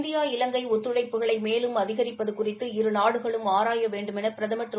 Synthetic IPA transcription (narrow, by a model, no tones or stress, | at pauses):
d̪ɪjaːɪlɐŋɡɐɪɔt̪ːɾɯɽɐɪpːɯɣɐɭɐɪmeːlɯmɐðɪɣɐɾɪpːɐðɯkʊrɪt̪ːɯɪɾɯnaːɽɯɣɐɭɯmaːɾaːjɐʋeːɳɖɯmɛnɐpɪɾɐðɐmɐʈ̪ːɾɯ